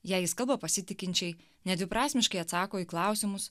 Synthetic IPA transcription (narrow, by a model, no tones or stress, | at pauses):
jæːjɪskɐlˠbopɐsʲɪt̪ʲɪkʲɪnʲt͡ʃʲɛɪ | nʲɛd̪ʲʋʲɪpɾɑːsʲmʲɪʃkɐɪɐt̪sɑːkoːiːklˠɑˑʊsʲɪmʊs